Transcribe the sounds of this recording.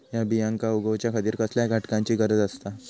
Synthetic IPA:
jabijãŋkauɡəʋt͡ɕjakʰət̪iːɾkəsljaɡʱaʈkãɲt͡ɕiːɡəɾəd͡zəst̪a

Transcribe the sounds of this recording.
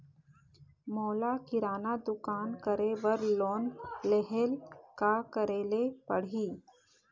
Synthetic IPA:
moːlakɪɾaːnad̪ʊkaːnkəɾebəɾloːnleɦeːlkakəɾeːlepəɽ̤iː

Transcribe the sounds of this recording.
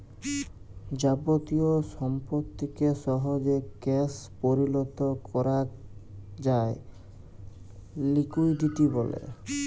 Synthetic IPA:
d͡ʑabot̪iosɔmpot̪ːikeʃɔɦod͡ʒekɛspoɾilɔt̪ɔkʰɔɾa | d͡ʑae | likujɖiʈibɔlḛ

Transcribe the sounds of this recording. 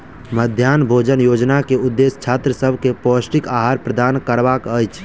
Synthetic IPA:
məd̪ʱjaːnbʱoːd͡ʒənjoːd͡ʒnakeʊd̪ːest͡ʃʰaːt̪ɾəsəbʱkepoːsʈikaːɦaːɾpɾəd̪aːnkəɾʋakəjt͡ʃʰ

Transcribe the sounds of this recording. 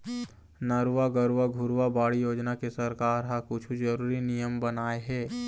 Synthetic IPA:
nɐɾʋaɡəɾʋaɡʱʊɾwabaːɽijoːd͡ʒnakesɐɾkaːɾɦakʊt͡ʃʰud͡ʒɐɾuːɾinijəmbɐnaːeɦɛː

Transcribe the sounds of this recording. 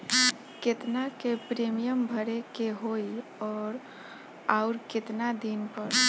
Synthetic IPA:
ket̪nakepɾemijəmbʱəɾekeɦoiɔːɾ | aʊɾkɪt̪nad̪inpəɾ

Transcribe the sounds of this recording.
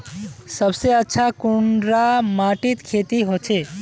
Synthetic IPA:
səbseətːʃʰakuɳɖɾamaʈit̪kʰet̪iɦot͡ʃʰe

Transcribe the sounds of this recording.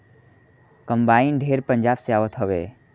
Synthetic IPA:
kəmbaːinɖʱeɾpəɲd͡ʒaːbseaːʋət̪ɦəʋḛ

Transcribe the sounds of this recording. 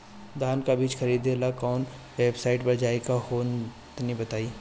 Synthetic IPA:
d̪ʱaːnkabiːt͡ʃxʰɐɾiːd̪elakɔːn | ʋeːbsaːɪʈbɐd͡ʒaːekafoːn | t̪nibɐt̪aːiː

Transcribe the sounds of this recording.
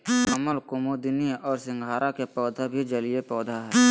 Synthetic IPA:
əməlkʊmod̪ɪniɔːɾsɪ̃ŋɡʱaːɾʔakepɔːd̪ʱabʱid͡ʒəlijepɔːd̪ʱaɦɛː

